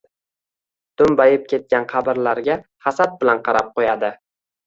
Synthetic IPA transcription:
d̪̥ʊmbajɪp̚kʲʰe̞t̪̚kʲanqʰɑbɪɾlaɾɡʲaχɑsat̪̚bɪlanqʰɑɾap̚qʰojad̪ɪ

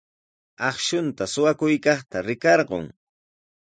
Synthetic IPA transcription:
ɑχʃʊnt̪asʊwakʊjkɑχt̪aɾɪkɑɾɢo̰ŋ

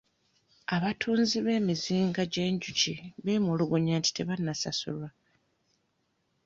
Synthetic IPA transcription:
aβatʰuːnziβe̞ːmiziːŋɡaɟe̞ːɲɟuciβe̞ːmuluɡuɲaːnti̥te̞βanːasasṵlwa

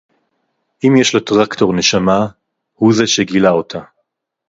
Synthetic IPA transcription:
ʔimjeʃlotʁakto̞ʁne̞ʃama | huzeʃeɡilao̞tʰa

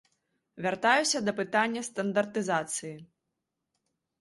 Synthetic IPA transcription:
vʲart̪ajusʲɐd̪ɐpɨt̪anʲːɐst̪ɐnd̪ɐrt̪ɨzat̪sɨji

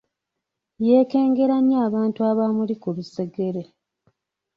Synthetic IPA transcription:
je̞ːke̞ːŋɡe̞ɾaɲjaːβaːntuaβamulikuluse̞ɡe̞ɾe

